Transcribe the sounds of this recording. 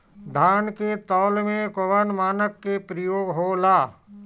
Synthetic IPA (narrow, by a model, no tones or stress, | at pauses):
d̪ʱaːnket̪ɔːlmẽkoʋənmaːnəkːepɾəjoːɡɦoːlaː